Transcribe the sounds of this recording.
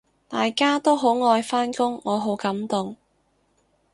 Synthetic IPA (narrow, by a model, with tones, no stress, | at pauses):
t̪aː˨jkaː˥t̪o˥wɦo˨˥wŋɔː˧jfaː˥nkʊ˥ŋːɔː˨˧ɦo˨˥wkɐ˨˥mt̪ʊ˨ŋ